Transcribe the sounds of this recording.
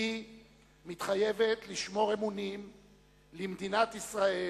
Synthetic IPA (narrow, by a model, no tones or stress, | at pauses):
i | mit̪χaje̞vet̪liʃmo̞ʁemunim | limd̪inat̪isʁae